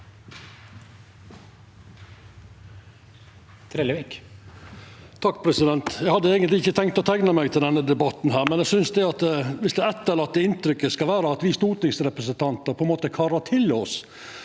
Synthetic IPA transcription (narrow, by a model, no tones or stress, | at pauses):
t̪ʰɾɛlʋik | t̪ʰɑkːpʰɾɛsɪd̪ɛnt̪jæɪɡhɑd̪ːəeːɡənt̪lɪɪçːət̪ʰɛŋkt̪ɔt̪ʰæɡnəmæɪɡt̪ʰɪld̪ɛnːəd̪ɛbɑt̪n̩ɦæːɾmɛnjæsʏnsd̪ɛɑt̪ɛʋɪsd̪ɛɛt̪ːəlɑt̪ːəɪnt̪ɾʏkːəskɑlʋæːɾəɑt̪ʋɪst̪uːɾʈ̪ɪŋsɾɛpɾəsənt̪ʰɑnt̪əɾpʰɔɛnmoːt̪əkʰɑɾət̪ʰɪlɔs